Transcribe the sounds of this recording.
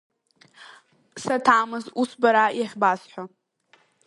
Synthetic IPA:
satʰaːmɨzusbaɾajaχʲbasħʷa

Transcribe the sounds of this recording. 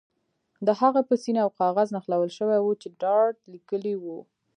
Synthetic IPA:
d̪əhaɣapəsinaawqɑɣaznaxlawəlʃəwawut͡ʃeɖɑɾʈlikəliwu

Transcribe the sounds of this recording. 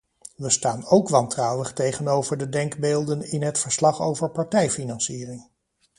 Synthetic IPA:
ʋəstaːnowkʋɑntrɑwəχtejχənowvəɹdədɛŋkbeːlˠdənɪnɦətfəɹslɑχo̰wvəɹpɑɹtɛjfinɑnsiːrɪŋ

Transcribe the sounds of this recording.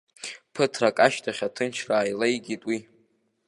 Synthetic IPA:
pʰɨtʰrakʼaʃtʰaχʲatʰɨnt͡ʃʰraːjlejɡʲitʼwi

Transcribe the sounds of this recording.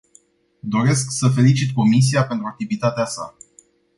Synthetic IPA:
d̪o̞ɾe̞sksəfe̞lit͡ʃit̪̚ko̞mis̬iape̞nt̪ɾuak̚t̪ivit̪at̪easa̰

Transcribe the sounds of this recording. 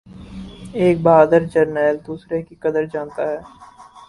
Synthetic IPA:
eːk̚baːd̪əɾd͡ʒəɾnɛːld̪uːsɾekikɐd̪əɾd͡ʒãːnt̪aɦɛː

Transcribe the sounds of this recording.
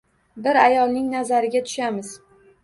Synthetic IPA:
bɪɾajɒlˠnɪŋnazaɾɪɡʲat̪ʰʊ̥ʃamɪz̥

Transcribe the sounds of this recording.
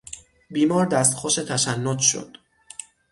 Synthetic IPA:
biːmɒːɾd̪æst̪xoʃe̞t̪ʰæʃænːot̪ʃo̰d̪̥

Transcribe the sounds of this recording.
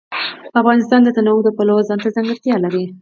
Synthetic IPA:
afɣɑnɪst̪ɑnd̪ət̪anawud̪əpalozɑnt̪azaŋɡəɾt̪jɑlaɾi

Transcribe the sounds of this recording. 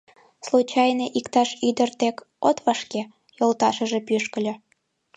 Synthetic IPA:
slut͡ɕɑjneʔikt̪ɑʃyd̪ərt̪ek | ot̪βɑʃke | jolt̪ɑʃə̆ʒepyʃkə̆lʲo

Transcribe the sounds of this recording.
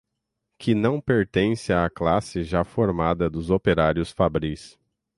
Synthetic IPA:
kʰɪnɐ̃w̃peɾt̪ẽsɪaːklasɪʒafoɾmad̪ɐd̪ʊzopeɾaɾjʊsfabɾis

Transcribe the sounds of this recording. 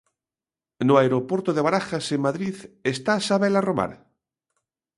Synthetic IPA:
noaeɾopwoɾt̪oðeβaɾaxasemmaðɾiθest̪asaβelaroma̰ɾ

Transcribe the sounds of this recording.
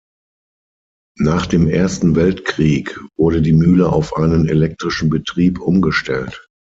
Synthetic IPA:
naːχd̥eːmʔeːɐstn̩vɛltkʁ̥iːkv̥ʊɐɾədiːmyːləʔa̰ʊfʔaɪnənḛlɛk̚tʁ̥ɪʃn̩bətʁ̥iːpʔʊmɡəʃtɛlt

